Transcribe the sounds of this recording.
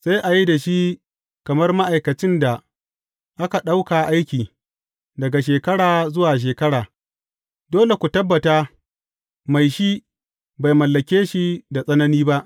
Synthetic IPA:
sa˦jʔa˨ji˦da˨ʃi˦ | kɐ˨mɐ˦rma˦ʔa˨jkɐ˨t͡ʃɪ˦nda˨ | ʔa˦ka˨ɗa˦wkaː˨ʔa˦jkʲiː˨ | dɐ˨ɡa˨ʃeː˨kɐ˦ɽaː˨zʊ˦waː˨ʃ̬eː˨kɐ˦ɽaː˨ | doː˦le˨kʷu˨tɐ˦bːɐ˨taː˦ | ma˨jʃi˦ | ba˨jmɐ˨lːɐ˨kʲeː˦ʃi˦da˨sʼɐ˦nɐ˦niː˦ba˦ʔ

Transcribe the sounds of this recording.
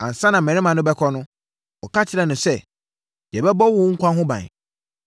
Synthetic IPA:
ã̰˨n̩˨sã˦nã˨mɛ̃˨ɾɪ̃˦mã˨nʊ̃˦bɛ˦kʰɔ˦nʊ̃˦ | ɔ˨ka˦t͡ɕʰɪ˦ɾɛ˨nʊ̃˨sɛ˦ | d͡ʑɛ˨bɛ˦bɔ˦wʊ˨˦ŋ̩˦kʷʰã˦ɦʊ̃˦bã̰˨n˨

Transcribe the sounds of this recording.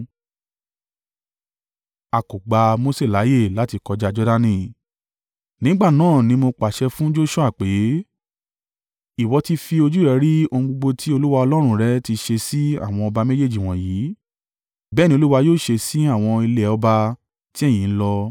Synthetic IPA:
a˨ko˨ɡ͡ba˨˧mo˧se˦˨la˨˦je˦˨la˨˦ti˧kɔ˧d͡ʒa˧d͡ʒɔ˦da˧nĩ˦˨ | nĩ˨˦ɡ͡ba˦˨nãː˦˨nĩ˨˦mo˧k͡pa˨ʃɛ˧fũ˦d͡ʒo˦ʃũ˦a˦˨k͡pe˨˦ | i˦˨wɔ˨˧ti˧fi˧o˧d͡ʒu˦ɾɛ˧˦ɾi˦o˧ũ˧ɡ͡bo˧ɡ͡bo˧tʰi˦o˧lu˦wa˧ɔ˧lɔ˦ɾ̃ũ˦˧ɾɛ˨˦ti˧ʃe˧si˦a̰˦˨w̃ɔ̃˧ɔ˧ba˧me˦d͡ʒe˦˨d͡ʒi˨w̃ɔ̃˨jiː˨˦ | bɛː˦˨nĩ˧o˧lu˦wa˧joː˦˨ʃe˧si˦a˦˨w̃ɔ̃˧i˧le˧˦ɔ˧ba˧ | ti˦ɛ˦˨j̃ĩ˨n̩˦lɔ˧

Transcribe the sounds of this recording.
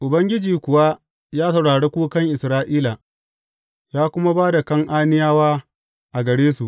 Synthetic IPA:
ʔʊ˨bɐ˦ŋɡʲɪ˦d͡ʒiː˨kʷʊ˨wa˦ | jaː˦sɐ˨wɽaː˨ɽeː˦kʷuː˦kɐ˦ŋʔɪ˨sɾaː˦ʔiː˦la˨ | jaː˦kʷʊ˦ma˦baː˦da˨kɐ˦ŋʔaː˦nɪ˦jaː˦waː˦ | ʔa˨ɡɐ˨ɽeː˦su˨ʔ

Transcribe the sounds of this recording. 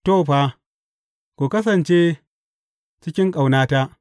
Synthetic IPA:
toː˦˨ɸaː˦ | kʷoː˨kɐ˦s̬ɐ˨nt͡ʃeː˦ | t͡ʃɪ˦kʲɪ˦ŋkʼa˨wnaː˦ta˦ʔ

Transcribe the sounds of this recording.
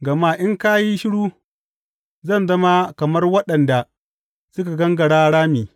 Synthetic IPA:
ɡɐ˨maː˦ʔɪ˦ŋka˦ji˦ʃɪ˦ɽuː˦ | zɐ˦˨nzɐ˦ma˦kɐ˨mɐ˦rwɐ˦ɗɐ˨nda˨ | sʊ˦ka˨ɡɐ˦ŋɡɐ˨ɽaː˦ɽaː˦miː˨

